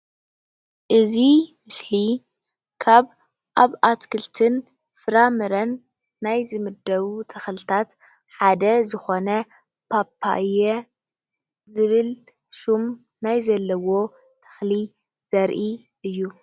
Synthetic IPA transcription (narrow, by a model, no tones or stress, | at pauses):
ʔɨzimɨsli | kʰaβ | ʔaβʔat̪kʰɨlt̪ʰɨn | fɨɾamɨɾɐnː | ajzɨmɨd̪ːɐβut̪ʰɐxlɨt̪ʰat̪ | ħad̪ɐzɨxo̞nɐ | pʰapʰːa̰ʔjɛ | zɨβɨl | ʃum | najzɐlːɐwo̞ | t̪ʰɐ̥xli | z̥ɐɾʔi | ʔɨjːu